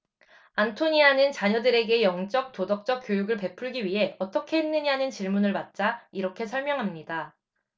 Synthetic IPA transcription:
antʰoɲianɯnt͡ɕaɲʌdɯɾe̞ɡe̞jʌŋt͡ɕ͈ʌk̚t͈odʌk̚t͡ɕ͈ʌk̚k͈jojuɡɯɭpe̞pʰuɭɡiɥiɦe̞ʌt͈ʌkʰe̞ɦenːɯɲiɦanɯnt͡ɕiɭmunɯɭmat̚t͡ɕ͈aiɾʌkʰe̞sʰʌɭmjʌŋɦamɲida

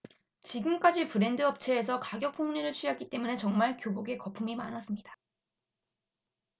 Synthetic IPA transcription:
t͡ɕiɡɯmk͈ad͡ʑipɯɾe̞ndɯʌp̚t͡ɕʰe̞ːs̬ʰʌkaɡjʌk̚pʰoŋɲiɾɯɭt͡ɕʰujak͈it͈e̞mune̞t͡ɕʌŋmaɭkjoboɡe̞kʌpʰumima̰nas͈ɯmɲid̥ḁ

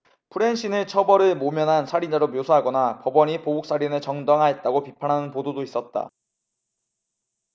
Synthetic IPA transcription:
pʰɯɾe̞nɕʰinɯt͡ɕʰʌbʌɾɯɭmomjʌnɦansʰaɾid͡ʑaɾomjosʰuɦaɡʌnapʌbʌɲipobuk̚s͈aɾinɯɭt͡ɕʌŋdʌŋɦae̞t̚t͈aɡopipʰanɦanɯnpododois͈ʌt̚t͈a̰

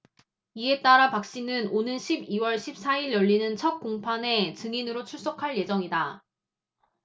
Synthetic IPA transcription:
ie̞t͈aɾapak̚ɕ͈inɯnonɯnɕʰibiwʌɭɕʰip̚s͈aiɭjʌʎːinɯnt͡ɕʰʌt̚k͈oŋpʰane̞t͡ɕɯŋinɯɾot͡ɕʰuɭs͈okʰaɭje̞d͡ʑʌŋida

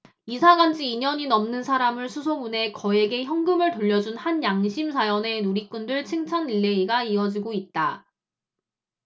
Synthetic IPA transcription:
isʰaɡand͡ʑiːɲʌɲinʌmnɯnsʰaɾamɯɭsʰusʰomune̞kʌe̞ɡe̞çjʌŋɡɯmɯɭtoʎːʌd͡ʑunhanjaŋɕʰimsʰajʌne̞nuɾik͈undɯɭt͡ɕʰeŋt͡ɕʰaniɭːe̞iɡaiʌd͡ʑiɡoit̚t͈a

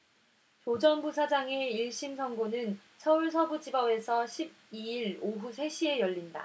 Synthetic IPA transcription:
t͡ɕod͡ʑʌnbusʰad͡ʑaŋe̞iɭɕ͈imsʰʌŋɡonɯnt͡ɕʰʌuɭsʰʌbud͡ʑibʌbe̞sʰʌɕʰib̚iiɾoɦusʰe̞ɕʰie̞jʌʎːinda̰

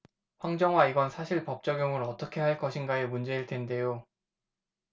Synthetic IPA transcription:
ɸwaŋd͡ʑʌŋɦwaiɡʌnsʰaɕʰiɭpʌp̚t͡ɕ͈ʌɡjoŋɯɾʌt͈ʌkʰe̞ɦaɭk͈ʌɕʰinɡaemund͡ʑe̞iɭtʰe̞nde̞jo

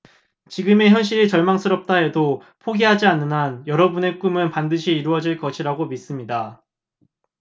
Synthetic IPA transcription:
t͡ɕiɡɯme̞çjʌnɕ̬͈iɾit͡ɕʌɭmaŋsʰɯɾʌp̚t͈ae̞do | pʰoɡiɦad͡ʑianːɯnɦanjʌɾʌbune̞k͈umɯnpandɯɕʰiːɾuʌd͡ʑiɭkʌɕʰiɾaɡomis͈ɯmɲida

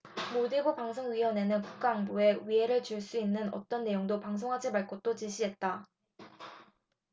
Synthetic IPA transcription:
modebopaŋsʰoŋɥiwʌne̞nɯnku̥k̚k͈aːŋbue̞ɥiɦe̞ɾɯɭt͡ɕuɭs͈uinːɯnʌ̰t͈ʌnːe̞joŋdopaŋsʰoŋɦad͡ʑimaɭk͈ot͈ot͡ɕiɕ͈ʰiɦe̞t̚t͈a

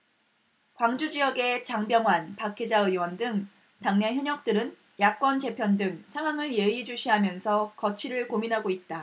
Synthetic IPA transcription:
kwaŋd͡ʑud͡ʑijʌɡe̞t͡ɕaŋbjʌŋwanpakʰe̞d͡ʑaɯwʌndɯŋ | taŋneçjʌɲʌk̚t͈ɯɾɯn | jak̚k͈wʌnt͡ɕe̞pʰjʌndɯŋsʰaŋwaŋɯɭjeid͡ʑuɕʰiɦamjʌnsʰʌkʌt͡ɕʰiɾɯɭkominɦaɡoit̚t͈a

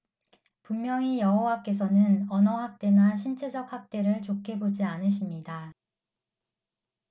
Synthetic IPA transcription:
pummjʌŋijʌɦowak͈e̞s̬ʰʌnɯnʌnʌɦak̚t͈e̞naɕ̬ʰint͡ɕʰe̞d͡ʑʌk̚hak̚t͈e̞ɾɯɭt͡ɕokʰe̞bod͡ʑianɯɕ̬ʰimɲida

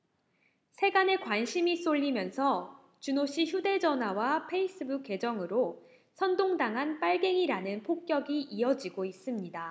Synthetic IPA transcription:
sʰe̞ɡane̞kwanɕʰimis͈oʎːimjʌnsʰʌ | t͡ɕunoɕ͈ʰiçjude̞d͡ʑʌnɦwawapʰe̞is͈ɯbuk͈̚ʰːe̞d͡ʑʌŋɯɾo | sʰʌndoŋdaŋɦanp͈aɭɡe̞ŋiɾanɯnpʰok̚k͈jʌɡiʔiʌd͡ʑiɡois͈ɯmɲida

